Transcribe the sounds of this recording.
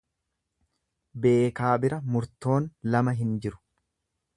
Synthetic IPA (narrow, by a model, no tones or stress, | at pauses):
be̞ːkaːbɪɾɐmʊɾt̪o̞ːnlɐmɐɦɪnd͡ʒɪɾʊ̥